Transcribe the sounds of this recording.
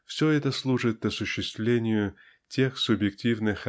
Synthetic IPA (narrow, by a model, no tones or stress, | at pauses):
fsʲoɛt̪əslˠuʐɨt̪ɐsʊɕːɪst̪vlʲenʲɪjʊ | tʲe̞xsʊbjɪk̚tʲivnɨx